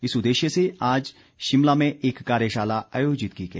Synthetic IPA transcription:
ɪsʊd̪eːʃjəseaːd͡ʒ | ʃɪmlamẽʔeːkːaːɾjəʃaːlaaːjoːd͡ʒɪt̪̚ɡiɡeː

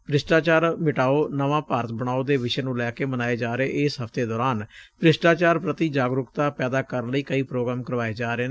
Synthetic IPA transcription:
pɾɪsʈaːt͡ʃaːɾmɪʈaːoːnəʋãːpaːɾət̪bəɽ̃aːoːd̪eːʋɪʃeːnũːlɛːkeːmənaːeːd͡ʒaːɾeːʔɪsɦəfʰt̪eːd̪ɔːɾaːnpɾɪsʈaːt͡ʃaːɾpɾət̪iːd͡ʒaːɡɾʊkt̪aːpɛːd̪aːkəɾənləiːkəiːpɾoːɡɾaːmkəɾʋaːeːd͡ʒaːɾeː

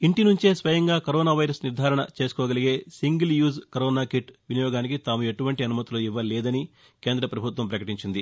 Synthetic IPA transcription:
iɳʈinuɲt͡ʃeːsʋɐjɐŋɡaːkɐɾɔːnaːʋɐjɾɐsniɾd̪ʱaːɾɐɳɐ̰t͡ʃe̞ːsu̥kɔːɡɐliɡe̞ːsiŋɡiljuːzkɐɾɔːnaːkiʈʋinijɔːɡaːnik̬it̪aːmue̞ʈuʋɐɳʈiɐnumɐt̪iloːiʋːɐlɛːd̪ɐni | ke̞ːnd̪ɾɐpɾɐbʱut̪ʋɐmpɾɐkɐʈiɲt͡ʃind̪i

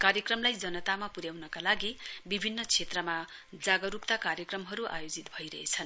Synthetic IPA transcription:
kaɾjʌkrʌmlajd͡zʌnʌt̪amapuɾjawnʌkalaɡibibʱinːʌt͡sʰet̪rʌmad͡zaɡʌɾukt̪akaɾjʌkrʌmɦʌɾuʔajod͡zit̪bʱʌjɾʌɦet͡sʰʌn

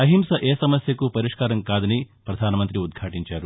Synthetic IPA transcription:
ɐɦimsɐʔeːsɐmɐsjɐkupɐɾiʂkaːɾɐŋkaːd̪ɐnipɾɐd̪ʱaːnɐmɐnt̪ɾiud̪̚ɡʱaːʈiɲt͡ʃaːɾu

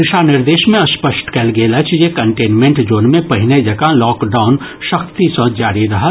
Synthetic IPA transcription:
ɾɪʃanɪɾd̪eːʃmẽɐspəsʈkɛlɡeːlət͡ʃʰjekɐ̃ɳʈeːnmẽɳʈd͡ʒoːnmẽpɐɦɪned͡ʒɐkalɔːkɖaːʊnʃəkt̪isə̃d͡ʒaːɾiɾɐɦət̪

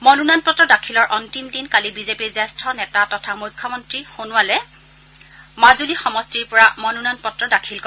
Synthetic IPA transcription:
mɔnunanpɔtɹɔdakʰilɔɹʔɔntimdinkalibizepiɹzɛstʰɔnɛtatɔtʰamujkʰːɔmɔntɹixonʊwalɛ | mazulixɔmɔstiɹpɔɹamɔnunanpɔtːɹɔdakʰilkɔ

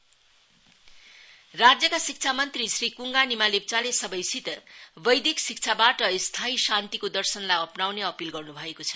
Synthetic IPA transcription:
rad͡zjʌkasik̚t͡sʰamʌnt̪risrikuŋɡanimalep̚t͡salesʌbʌjsit̪bʌjd̪iksik̚t͡sʰabaʈʌst̪ʰaisant̪ikod̪ʌrsʌnlajʌpnawneʌpilɡʌrnubʱʌekot͡sʰʌ̥

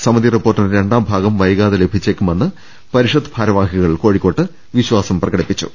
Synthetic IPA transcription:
sɐmɐðiripːoːrʈːinɾe̞ɳɖaːmbʱaːɡɐmʋɐjɐɣaːðɐle̞bʱit͡ɕːeːkʲːumenːɨ | pɐɾiʂɐd̪ɨbʱaːɾɐʋaːɦiɣɐɭiko̞ːɻikʲːo̞ːʈːɨ | ʋiɕwaːsɐmprɐɣɐɽipːit͡ɕːu̥̰

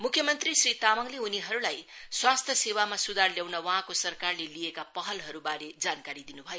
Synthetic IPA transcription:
mukʰjʌmʌnt̪risrit̪amʌŋleuniɦʌɾulajswast̪ʰjʌsewamasud̪ʱarljawnʌwʌɦãkosʌrkarleliekapʌɦʌlɦʌɾubaɾed͡zankaɾid̪inubʱʌjo

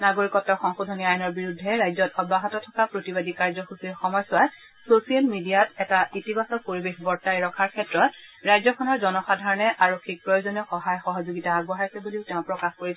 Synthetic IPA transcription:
naɡoɹikɔtːɔxɔŋxudʱɔniajɔnɔɹbiɹudʱːɛɹajzɔtɔbaɦɔtɔtʰɔkapɹotibadikaɹzɔxusiɹxɔmɔjsʊat | sosialmidijatɛtaʔitibasɔkpoɹibexbɔɹtajɹɔkʰaɹkʰɛtɹɔt | ɹajzɔkʰɔnɔɹzɔnɔxadʱaɹɔnɛʔaɹokʰːik̚pɹɔjozɔniɔxɔɦajxɔɦɔzoɡitaːɡ̚bɔɦaɹsɛbuliʊtɛʊ̃pɹɔkaxkoɹisɛ

